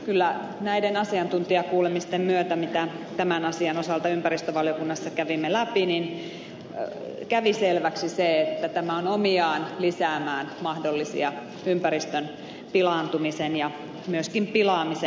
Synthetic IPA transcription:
kylːæ | næidenɑsiɑnt̪unt̪iɑkuːlemist̪emmyøt̪æmit̪æ | t̪æmænɑsiɑnosɑlt̪ɑympæɾist̪øʋɑljokunːɑsːɑkæʋimːelæpinin | kæʋiselʋæksiseet̪ːæt̪æmæonomiɑːnlisæːmæːnmɑhdolːisḭɑ | ympæɾist̪øn | pilɑˑnt̪umisenjɑ | myøskimpilɑːmise

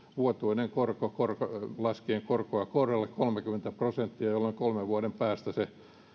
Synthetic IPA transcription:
ʋuot̪uineŋkorkokorkolɑskieŋkorkoɑkorɑlːekkolmekyment̪æprosent̪ːiæjolːoŋkolmeʋʋuɑɾempæːst̪æse

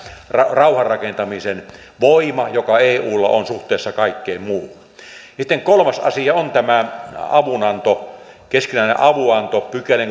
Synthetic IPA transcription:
rɑrɑuhɑrrɑkent̪ɑmisen | ʋoimɑjokɑeːuːlːɑ̰onsuht̪ˑeˑːsːɑkɑikːeimmuːlɑjɑsit̪ːeŋkolmɑsɑ̰siɑont̪æmæɑʋunɑnt̪o | keskinæˑinḛʔʔɑʋuɑnt̪opykæleŋ

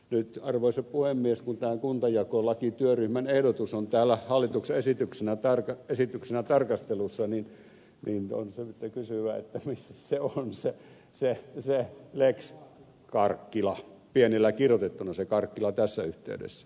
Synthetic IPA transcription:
nyt̪ɑrʋoˑiseppuhemːieskunt̪æːŋkunt̪ɑjɑkolɑkit̪yøryhmænehdot̪usont̪æːlːæhɑlːit̪uksesit̪yksenæt̪ɑrkɑesit̪yksenæt̪ɑrkɑst̪elusːɑnin | nino̰nseyt̪ːækysyʋæḛt̪ːæmisːæ̥seonse | seseleks | kɑrkːilɑpienilːækirjot̪et̪ːunɑsekɑrkːilɑt̪æsːæyht̪ḛydḛsːæ̥

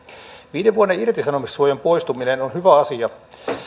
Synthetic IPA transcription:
ʋiːdeʋʋuonːeirt̪isɑnomissuojɑmpo̞jst̪uminenonhyʋæɑsiɑ

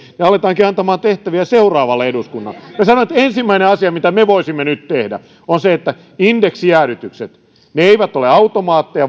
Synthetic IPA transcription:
neɑlet̪ɑːŋkiɑnt̪ɑmɑːnt̪eht̪æʋiæseurɑːʋɑlːeeduskunːɑ̰lːemesɑnoet̪ensimːæineɑsiɑmit̪æmeʋoisimːenyt̪t̪ehdæ̰ | onseet̪ːæ | indeksiæːɾyt̪ykset̪ | neeiʋæt̪oleɑut̪omɑːt̪ːejɑ

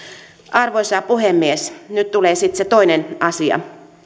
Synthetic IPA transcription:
ʔɑrʋoisɑːpuhemːiesnyt̪t̪uleːsit̪set̪oinenɑsiɑ̰

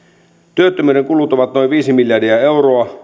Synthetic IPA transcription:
t̪yøt̪ːømyːɾe̞ŋkulut̪oʋɑt̪no̞jʋiːsimiljɑdiæe̞wroɑ

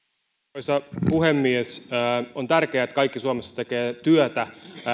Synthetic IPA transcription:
isɑpuhemːiesːont̪ærkeæet̪kɑikːisuɑmesːɑ̥t̪ekeːt̪yøt̪æ

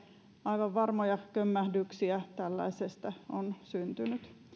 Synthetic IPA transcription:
ɑiʋɑʋʋɑrmojɑkømːæhdyksiæt̪ælːæ̰isest̪ɑonsynt̪ynyt̪

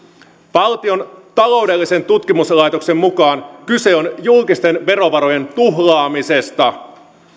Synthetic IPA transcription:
pɑlt̪io̞nt̪ɑlo̞wde̞lːise̞nt̪ut̪kimuslɑjt̪okse̞mːukɑːnkyse̞o̞njulkist̪e̞nʋe̞ɾo̞ʋɑɾo̞je̞nt̪uɦlɑːmise̞st̪ɑ

